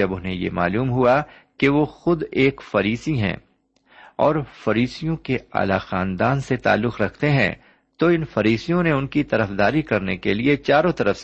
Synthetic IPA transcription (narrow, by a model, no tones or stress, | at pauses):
ɐbʊnɦẽjḛma̰ːluːmɦua | keʋoxʊd̪eːkfɐɾiːsiɦɛ̰̃ː | ɔːɾfɐɾiːsijõkea̰ːlaxaːnd̪aːnset̪a̰ːlːʊqɾɐkʰt̪eɦɛ̰̃ | t̪oɪnfɐɾiːsijõneʊnkit̪ɐɾəfd̪aːɾikɐɾnekeliet͡ʃaːɾõt̪ɐɾəfs